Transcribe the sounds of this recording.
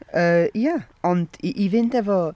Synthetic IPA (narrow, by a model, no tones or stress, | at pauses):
əja | ɔnd̥iʔivɪndɛvɔ